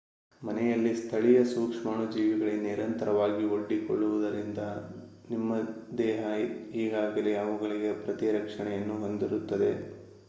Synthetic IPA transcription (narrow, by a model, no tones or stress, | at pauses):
mɐnɛjɐlːist̪ʰɐɭijɐsuːkʂmaːɳud͡ʒiːʋiɡɐɭeniɾɐnt̪ɐɾɐʋaːɡio̞ɖːiko̰ɭːuʋud̪ɐɾind̪ɐ | nimːɐd̪ɛːɦɐiːɡaːɡɐleɐʋuɡɐɭiɡe̞pɾɐt̪iɾɐkʂɐɳɛjɐnːuɦo̞nd̪iɾut̪ːɐd̪e̞